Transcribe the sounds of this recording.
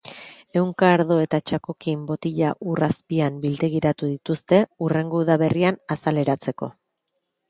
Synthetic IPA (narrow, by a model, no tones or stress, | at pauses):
e̞wŋkaːɾð̞o̞e̞t̪at͡ʃako̞kimbo̞t̪iʎaʔuraspiambild̪eɣ̞iɾat̪uð̞it̪ust̪e̞ure̞ŋɡouðaβe̞rianasale̞ɾat͡se̞ko̞̰